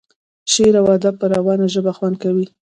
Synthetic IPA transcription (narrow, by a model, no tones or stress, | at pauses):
ʃeɾawad̪apːəɾawɑnaʒəbaxwankawi